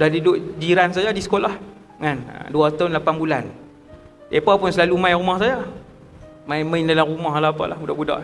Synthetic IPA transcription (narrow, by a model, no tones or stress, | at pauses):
dahdidʊʔd͡ʒiɾans̬ajadisə̥kolah | ŋan̰duat̪aʊnlapanbulan | ʔepapʊnsəlalumajɾumahsaja | majməindalamrumaɦalapa̰ʔlahbudaʔbuda̰ʔ